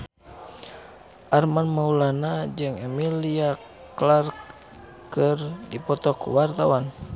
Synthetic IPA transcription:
ʔarmanmaulanad͡ʒɨŋɛmilia | klark | kɨrdipɔt̪ɔkṵwart̪awan

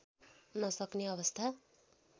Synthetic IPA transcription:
nʌsʌkneʌβʌst̪ʰa

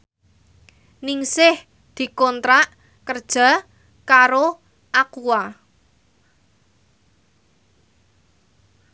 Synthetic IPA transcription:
nɪŋsɪh | d̪̥i̤kɔnt̪ɾaʔ | kərd̥ʒ̥a̤ | kaɾo | ʔakua

